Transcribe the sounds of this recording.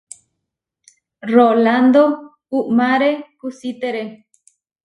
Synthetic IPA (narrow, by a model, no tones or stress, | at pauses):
roland̪o | uʔmaɾekusit̪eɾe